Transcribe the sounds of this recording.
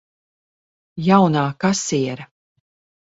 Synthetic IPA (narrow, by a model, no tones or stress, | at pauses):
jawnaːkasiɛɾa